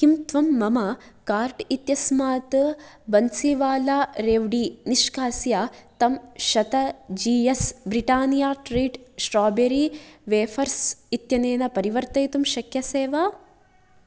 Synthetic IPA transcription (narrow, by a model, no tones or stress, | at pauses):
kimt̪ʋɐmːɐmɐkaːɾʈit̪jɐsmaːt̪ | bɐnsiʋaːlaːɾeːʋɖiːniʃkaːsjaːt̪ɐmʃɐt̪ɐd͡ʒiːjɐsbɾiʈaːnjaːʈɾiːʈsʈɾaːbeɾiʋeːfʰɐɾsit̪jɐneːnɐpɐɾiʋɐɾt̪ɐjt̪umʃɐkʰjɐseːʋaː